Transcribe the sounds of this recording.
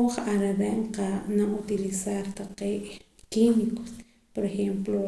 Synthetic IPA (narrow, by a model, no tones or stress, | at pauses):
oχaɾaɾeʔɴqanaʔut̪ilisaɾt̪aqeːʔ | kimiko̥s | poɾexemplo